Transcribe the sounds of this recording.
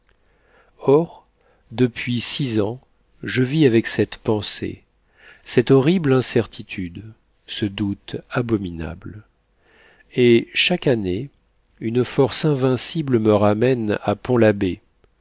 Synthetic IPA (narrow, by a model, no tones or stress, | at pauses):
ɔʁ | d̪əpʰɥisizɑ̃ | ʒəviavɛksɛt̪pɑ̃sḛ | sɛt̪ɔʁiblɛ̃sɛʁt̪ʰit̪ʰyd̪ | səd̪ut̪abɔmina̰bl | eʃakane | ynfɔʁsɛ̃vɛ̃siblməʁamɛna̰pɔ̃labe